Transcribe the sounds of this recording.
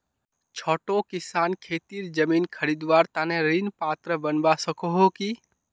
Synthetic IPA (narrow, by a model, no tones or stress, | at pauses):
t͡ʃʰoːʈokɪsaːnkʰeːt̪iːɾd͡ʒəmiːnkʰəɾid̪ʋaːɾt̪aːnẽɾɪnpaːt̪ɾəbənbasəkoɦoki